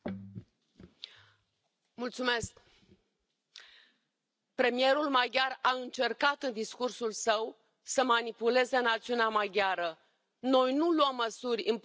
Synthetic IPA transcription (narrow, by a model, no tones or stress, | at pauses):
mult̪sume̞sk | pɾe̞mije̞ɾulmaɡʲaraɨnt͡ʃe̞rkat̪ɨnd̪iskursulsəw | səmanipule̞ze̞nat̪siuneamaɡʲaɾə | no̞jnuluəmːəsurʲɨnp